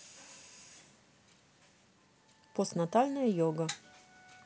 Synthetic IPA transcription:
post̪nat̪alʲnjɐjɔɡɐ

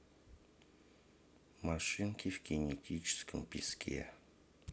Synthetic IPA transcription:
maʂɨŋkʲivɡʲinʲetʲʰit͡ʃʰɪ̥skəmpʲiskʲʰḛ

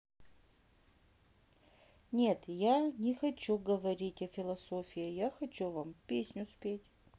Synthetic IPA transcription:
nʲe̞t̪janʲɪxɐt͡ɕuɡəvɐɾʲitʲɐfʲɪlˠɐsofʲɪɪjaxɐt͡ɕuvampʲesʲnʲʊspʲetʲ

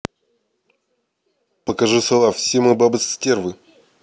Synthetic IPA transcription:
pəkɐʐɨsɐlˠafsʲemɨbabɨsʲtʲervɨ

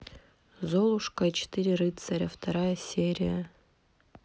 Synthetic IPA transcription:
zolˠʊʂkɐit͡ɕɪ̥t̪ɨɾʲɪrɨt̪sɐɾʲɐft̪ɐɾajəsʲeɾʲɪjə

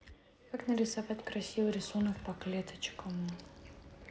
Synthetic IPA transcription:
kaknəɾʲɪsɐvat̪ʲkɾɐsʲivɨɾʲɪsunək̚pɐklʲet̪ət͡ɕkəm

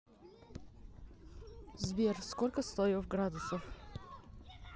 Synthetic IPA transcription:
zbiɾskɔlʲkəst̪ɔjɔfɡɾad̪usɔf

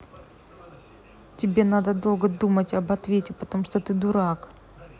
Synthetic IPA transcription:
tʲɪbʲe̞nad̪əd̪o̞lˠɡəd̪umətʲɐbɐt̪vʲetʲɪpət̪ɐmuʂt̪ot̪ɨd̪ʊɾak

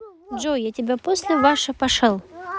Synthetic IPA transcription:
d͡ʒojatʲɪbʲaposʲlʲɪvaʂɨpɐʂɛlˠ

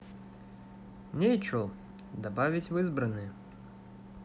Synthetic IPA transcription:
nʲejt͡ɕo | d̪abavʲɪtʲvɨzbɾənːɨj

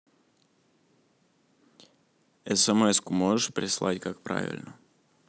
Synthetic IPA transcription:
ɛsɛmɛskʊmoʐəʂpɾʲɪslˠa̰tʲkak̚pɾa̰vʲɪ̰lʲnə

